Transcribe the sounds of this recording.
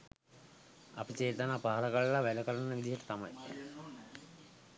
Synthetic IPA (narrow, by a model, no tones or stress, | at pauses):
a̰pit͡ɕeːt̪ənaːpaɦaləkaɭlaʋæləkəɾənəʋid̪ijəʈə̥t̪amaj